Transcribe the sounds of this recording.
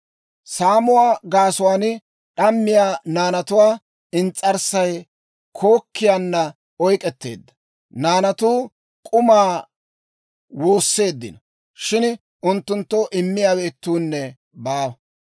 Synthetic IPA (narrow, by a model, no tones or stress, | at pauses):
saːmʊwaːɡaːsʊwaːnɪ | ɗɐmːɪjaːnaːnɐt̪ʊwaː | ɪnt͡sʼːɐɾsɐj | kʰo̞ːkːɪjaːnːɐ | ɔjkʼɛt̪ːe̞̰ːd̪ːɐ | naːnɐt̪uː | kʼʊmaː | wo̞ːsːe̞ːd̪ːɪ̰nɐ | ʃɪn | ʊnt̪ːʊnt̪ːɔʔɪmːɪjaːbeːt̪ːuːnːɛ | baːwɐ